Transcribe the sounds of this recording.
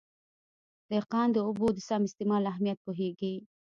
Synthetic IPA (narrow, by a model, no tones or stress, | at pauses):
d̪̥əqɑnd̪əʊbod̪əsɑmɪst̪ɪmɑlaɦmijat̪̚poɦeɡi